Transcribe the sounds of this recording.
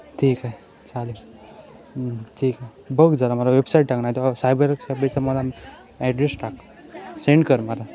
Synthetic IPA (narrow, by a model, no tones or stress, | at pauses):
ʈʰiːkaɦe | t͡sali | ʈʰiːkaɦe | bəɡd͡zalaməɾaʋebsaiʈ̚ʈaknajt̪ɔsajbəɾksajbət͡saməla | ɛɖɾesʈak | seɳɖkəɾmaɾa